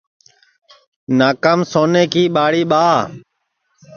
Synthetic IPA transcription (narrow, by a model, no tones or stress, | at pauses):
naːkəmsoːneːkiːɓaːɽiːɓaː